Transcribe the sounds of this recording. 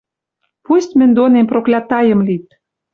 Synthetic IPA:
pust̪ʲmɘ̆nʲd̪onemproklʲɑt̪ɑjə̆mlit̪̚

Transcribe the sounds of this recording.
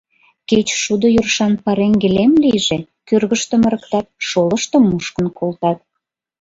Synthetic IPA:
ket͡ɕʃud̪ojurʃɑnpɑɾeŋɡelemlijʒe | kørɣəʃt̪ə̆mə̆ɾəkt̪ɑt̪̚ʃoləʃt̪ə̆mːuʃkənkolt̪ɑt̪̚

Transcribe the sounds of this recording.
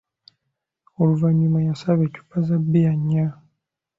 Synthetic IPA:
oluvaɲumajasaβecu̥pazabijaɲːa

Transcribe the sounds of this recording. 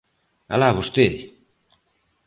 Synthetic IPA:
a̰laβost̪eði

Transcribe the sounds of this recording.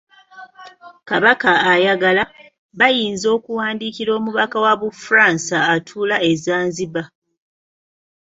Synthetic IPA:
kaβakaːjaɡala | βajiːnzo̞ːkuwaːndiːkiɾo̞ːmuβakawaβufuɾansaːtʰuːlaezaːnziβa

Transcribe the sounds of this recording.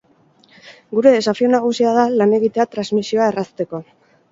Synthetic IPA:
ɡuɾe̞safio̞naɣ̞usiaðalane̞ɣit̪e̞at̪ɾazmisio̞ae̞rast̪e̞ko̞

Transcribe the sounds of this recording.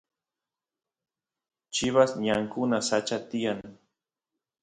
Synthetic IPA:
t͡ʃɪβasɲaŋkʊnasat͡ʃat̪ɪjaŋ

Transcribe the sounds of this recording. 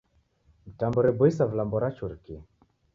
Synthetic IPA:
m̩tambɔɾɛbɔisavlambɔɾat͡ʃuɾki

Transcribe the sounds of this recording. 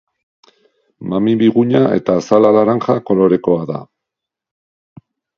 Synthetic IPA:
mamiβiɣuɲae̞̰t̪aːsalalaɾaŋxako̞lo̞ɾe̞ko̞aða̰

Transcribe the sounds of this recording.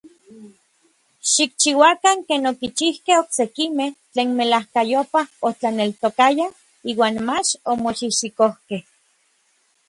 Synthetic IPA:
ʃik̚t͡ʃiwakaŋkeːnokit͡ʃihkehoksekimeht͡ɬeːnmelahkajopahot͡ɬanelt̪okaja | iːwaːnmat͡ʃomoʃiʃikohkeh

